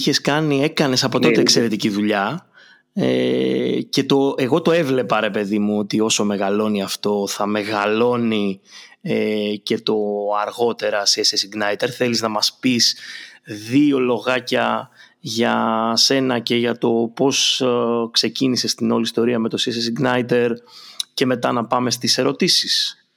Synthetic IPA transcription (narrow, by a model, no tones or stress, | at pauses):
çe̞skɐnie̞kɐne̞sɐpo̞t̪o̞eːkse̞ɾe̞t̪iciðuʎɐ | ḛ | ce̞t̪o̞e̞ɣo̞t̪o̞e̞vle̞pɐɾe̞pe̞ðimuot̪io̞so̞me̞ɣɐlo̞niɐft̪o̞θɐme̞ɣɐlo̞ni | ece̞t̪o̞ɐɾɣo̞t̪e̞ɾɐsiesesiɡnɐjt̪eɾθe̞liznɐmɐspis | ðio̞lo̞ɣɐcɐ | ʝɐse̞nɐce̞ʝɐt̪o̞po̞skse̞cinise̞st̪ino̞list̪o̞ɾiɐme̞t̪o̞sieses̬iɡnɐjt̪e̞ɾce̞me̞t̪ɐnɐpɐme̞st̪ise̞ɾo̞t̪isis